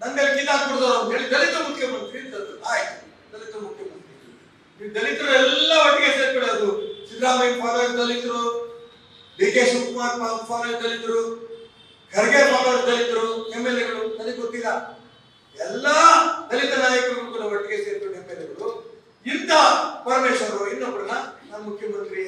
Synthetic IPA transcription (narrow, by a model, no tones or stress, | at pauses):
nɐnd̪elnid̪aːkuɽd̪oːɦeɭid̪ɐlit̪ɐmukʰjɐmɐnt̪ɾind̪ɐld̪ut̪aːj̪ | d̪ɐlit̪ɐmukʰjɐmɐnt̪ɾi | id̪ɐlit̪ɐɾuɛlːɐʋɐʈːiɡeseːɾkoɽɐɾd̪ut͡ʃid̪ɾaːmɐjpaːd̪ɐkd̪ɐlːit̪ɐɾu | bikeʃukmaːtpaːpaːnɐld̪ɐlit̪ɐɾu | ɡʱɐɾɐɡepaːʋɐɾd̪ɐlit̪ɐɾuemːelɛɡɐɭud̪ɐlit̪ot̪ːid̪ɐ | ɛlːɐd̪ɐlit̪ɐnaːjɐkɐɾɐɡɐɭukːulːɐʋɐʈːiɡeseːɾkoɽemːelɛɡɐɾu | int̪ːɐpɐɾmeːʃɐnɐɾuinːokːuɽɐnɐnɐnɐmukʰjɐmɐnt̪ɾi